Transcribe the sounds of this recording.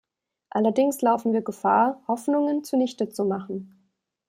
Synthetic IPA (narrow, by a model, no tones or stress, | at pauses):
ʔalɐdɪŋslaʊfn̩viːɐɡəfaːɐhɔfnʊŋənt͡sunɪçtət͡sumaχn̩